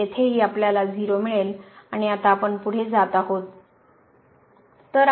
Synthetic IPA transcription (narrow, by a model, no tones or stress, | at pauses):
et̪ʰeɦiːapljalad͡ziɾomiɭelaɽ̃iat̪aːpəɳpuɽ̤ed͡zat̪aɦot̪ | əɾ